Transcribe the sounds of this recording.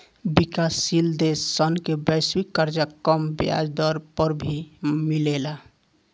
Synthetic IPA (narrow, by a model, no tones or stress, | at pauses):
bikasːild̪esːənkebəɪswikːəɾd͡ʒakəmbja̰d͡ʒd̪ɔɾpəɾbʱimilela